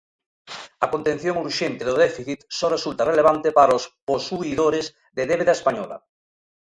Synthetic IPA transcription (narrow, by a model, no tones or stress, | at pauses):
ɐkont̪en̟θjoŋuɾʃent̪eðoðɛfiθit̪sɔresult̪areleβ̞ant̪epaɾosposuiðoɾez | ðeðeβeðaespaɲɔla̰